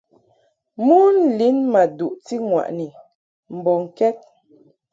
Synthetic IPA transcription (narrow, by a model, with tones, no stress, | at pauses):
mu˦n̩˦˨li˨˦nma˨du˨ʔti˦ŋwa̰˨ʔni˨ | m̩˨bɔ˨ŋ˨kɛ˦t̚